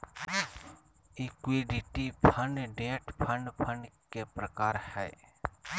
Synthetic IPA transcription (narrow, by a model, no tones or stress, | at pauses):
iːkwiːɖiʈipʰənɖẽːʈpʰəɳpʰənkeːpɾəkaːɾhɛː